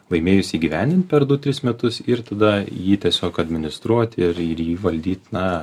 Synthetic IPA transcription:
ʋˠɐɪmʲeːjʊsʲiːɡʲiʋʲæˑnʲd̪ʲɪnt̪̚ʲpʲɛɾd̪ʊt̪ʲɾʲɪsmʲɛt̪ʊsɪɾt̪ɐd̪ɐjiːt̪ʲiɛsʲoːkɐd̪ʲmʲɪnʲɪst̪ɾuɔt̪ʲɪɾɪɾjiːʋɐlʲd̪ʲiːt̪ʲnɐ

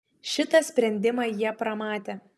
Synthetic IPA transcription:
ʃʲɪt̪ɐsʲpʲɾʲɛnʲd̪ʲɪmɑjiɛpɾɐmɑːt̪ʲeː

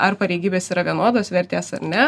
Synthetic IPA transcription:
ɐɾpɐɾʲɛɪɡʲiːbʲeːsiːɾɐʋʲiɛnoːd̪oːsʋʲɛɾʲt̪ʲeːsɐ̰ɾnʲɛ

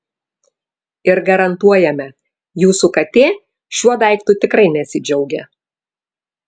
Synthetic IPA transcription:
ɪɾɡɐɾɐnt̪uɔjɛmʲɛ | juːsukɐt̪ʲeː | ʃʲuɔd̪ɐˑɪkt̪ʊt̪ʲɪkɾɐɪnʲɛsʲɪd͡ʒʲɛʊɡʲɛ

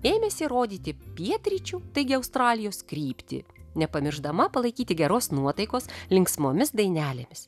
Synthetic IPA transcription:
eːmʲesʲɪɾoːd̪ʲiːt̪ʲɪpʲiɛt̪ʲɾʲit͡ʃʲuːt̪ɐɪɡʲɪɐʊst̪ɾɑːlʲɪjoːskɾʲiːpʲt̪ʲɪ̰nʲɛpɐmʲɪɾʒd̪ɐmɐpɐlˠɐɪkʲiːt̪ʲɪɡʲɛɾoːsnuɔt̪ɐɪkoːslʲɪŋksmoːmʲɪsd̪ɐɪnʲæːlʲemʲɪs

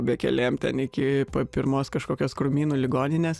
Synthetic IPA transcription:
bʲɛkʲɛ̰lʲeːjmt̪ʲɛnɪkʲɪpoːpʲɪɾmoːskɐʃkoːkʲoːskɾʊmʲiːnuːlʲɪɡoːnʲɪnʲeːs

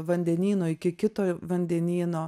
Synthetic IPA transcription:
ʋɐnʲd̪ʲɛnʲiːnoːɪkʲɪkʲɪt̪oːʋɐnʲd̪ʲɛnʲiːnoː

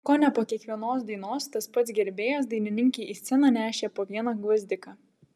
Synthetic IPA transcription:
koːnʲɛpoːkʲiɛkʋʲiɛnoːs̬d̪ʲiɛnoːst̪ɐspɐt̪sʲɡʲɛɾʲbʲeːjos̬d̪ɐɪnʲɪnʲɪŋʲkʲɛːʔiːsʲɛnɑnʲæːʃʲeːpoːʋʲiɛnɑɡʋɐzʲd̪ʲɪkɑː

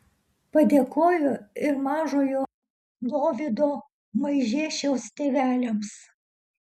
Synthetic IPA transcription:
pɐd̪ʲeːkoːjʊɪɾmɑːʒoːjoː | lˠoːʋʲɪd̪oː | mɐɪʒʲeːʃʲɛʊst̪ʲeːʋʲæːlʲɛms

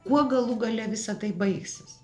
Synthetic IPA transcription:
kuɔɡɐlˠuɡɐlʲɛʋʲɪsɐt̪ɐɪbɐɪksʲɪs

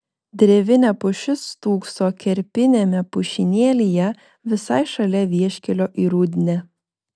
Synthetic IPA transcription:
d̪ʲɾʲɛʋʲɪnʲɛpʊʃʲɪst̪uːksoːkʲɛɾʲpʲɪnʲemʲɛpʊʃʲɪnʲeːlʲijɛ | ʋʲɪsɐɪʃɐlʲɛʋʲiɛʃʲkʲɛlʲoːʔiːɾud̪ʲɪnʲɛː

